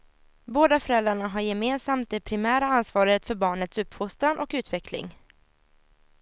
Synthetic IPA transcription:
boːd̪afœɾɛld̪ɾaɳaɦaɾjɛmeːnsamt̪̚d̪ɛpʰɾɪmæːɾaansvɑːɾət̪fœɾbɑːɳət̪sɵpːfʊst̪ɾanʔɔkʉ̟ːt̪vɛkʰlɪ̰ŋ

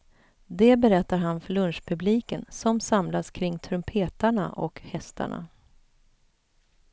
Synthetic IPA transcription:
d̪ɛbɛɾɛt̪ːaɾɦanfœɭɵnʂpʰɵbliːkənsɔmsamlaskʰɾɪŋːt̪ʰɾɵmpʰeːt̪aɳa̰ʔɔ̰khɛst̪a̰ɳa̰

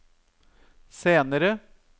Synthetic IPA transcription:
seːnəɾə

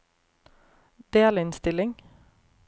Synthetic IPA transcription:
d̪̥eːlɪnst̪ɪlɪŋ

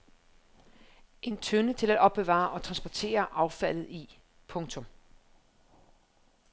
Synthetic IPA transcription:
ʔe̝nt͡sʰønət͡sʰe̝læd̥ɒ̽b̥̚ːeʋɑ̰̈ʔɒ̽t͡sʰʁɑ̈nsb̥ɒt͡sʰe̝̰ːɐʔɑ̈ʊfæl̰ð̩ˠi | pʰɔ̽ŋt͡sʰɔ̽m

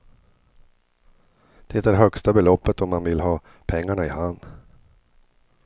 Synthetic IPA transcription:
d̪̥ɛːt̪æɖɦœkst̪abɛlɔpːət̪ɔmːanvɪlɦɑː | pʰɛŋːaɳaɪhand̪

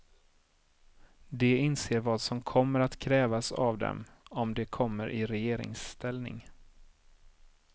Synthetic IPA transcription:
d̪ɛɪnseːɾvɑːd̪sɔmkʰɔmːəɾat̪kʰɾɛːvasa̰vd̪ɛ̰mɔmd̪ɛkʰɔmːəɾʔɪɾɛjeːɾɪ̰ŋst̪ʰɛlnɪ̰ŋ

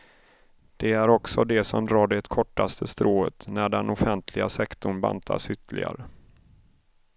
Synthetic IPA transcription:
d̪̥ɛæɾɔksɔd̪ɛsɔmd̪ɾɑːɖɛt̪kʰɔʈːast̪ʰəst̪ɾoːət̪næɖɛnʊfɛnt̪ʰlɪɡasɛkt̪ʊɳba̰nt̪ʰa̰sʏt̪ʰːəlɪ̰ɡa̰ɾə

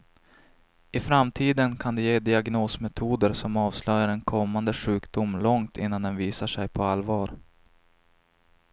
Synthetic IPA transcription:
ɪfɾamt̪ʰiːd̪ənkʰand̪ɛjeːd̪ɪaɡnoːsmɛt̪ʰuːd̪əɾsɔmɑːvslœjaɾɛnkʰɔmːand̪əɧʉ̟ːkd̪ʊmlɔŋt̪ɪ̰nːand̪ɛnviːsaʂɛjpʰɔalvɑːɾ

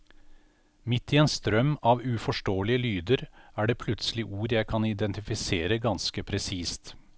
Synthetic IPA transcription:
mɪt̪ːieːnst̪ɾœmɑːʋʉːfɔʂʈoːəlɪəlyːd̪əɾæːɖeːpʰlʉt̪səlɪʔuːɾjæɪkʰɑnɪd̪ɛnt̪ɪfɪseːɾəɡɑnskəpʰɾɛsiːst̪

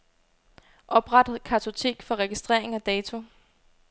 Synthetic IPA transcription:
ʔɒ̽b̥ʁɑ̈d̥ð̩ˠkʰæt͡sʰo̝t͡sʰe̝̰ːɡ̥fɒ̽ʁɛɡ̥isd̥ʁeɐ̰e̝ŋɒd̥ɛːt͡sʰo̝

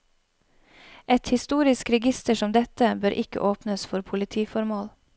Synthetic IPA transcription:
ɛt̪hɪst̪uːɾɪskɾɛɡɪst̪əʃɔmd̪ɛt̪əbøːɾʔɪkə̰ʔoːpnəsfɔɾpʰʊlɪt̪ʰiːfɔɾmoːl

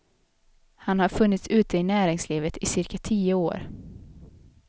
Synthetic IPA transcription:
hanhaɾfɵnːɪt̪sʉ̟ːt̪əɪnæːɾɪŋsliːvət̪ɪsɪɾkat̪ʰiːəo̰ːɾ

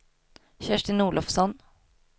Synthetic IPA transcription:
çæʂʈɪnuːɭʔɔfsɔn

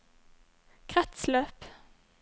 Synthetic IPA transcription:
kʰʁɛt̪sløːp

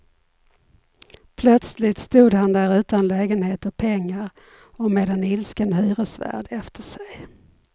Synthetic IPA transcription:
pʰlœt̪slɪt̪st̪uːd̪hand̪æːɾʉ̟ːt̪anlɛːɡənheːt̪əɾpʰɛŋːaɾ | ɔmeːd̪ɛnɪlskənhyːɾəsvæ̰ːɖɛft̪ʰəʂɛj

